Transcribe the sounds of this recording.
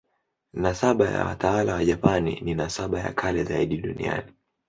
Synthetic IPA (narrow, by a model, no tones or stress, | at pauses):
nasaɓaja̰wa̰tawalawaʄapanḭninasaɓaja̰kʰalɛzaiɗiɗunḭa̰ni